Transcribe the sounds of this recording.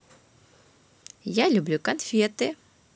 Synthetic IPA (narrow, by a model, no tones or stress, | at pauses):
jalʲublʲukɐnfʲɛt̪ɪ